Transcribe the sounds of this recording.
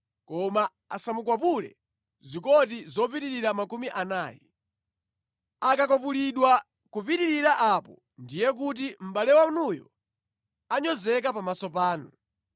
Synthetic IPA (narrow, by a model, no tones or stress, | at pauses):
kɔma | a̰samuk̬wapulɛ̰ | zikɔtizɔp̬iɾiɾiɾamakumiʔanaːjɛ̰ | akakɔpuliɗwa | kupitiɾiɾaʔapɔ | ndijɛk̬ut̬im̩ɓalɛwaunujɔ̰ | aɲɔzɛkapamasɔpaːnu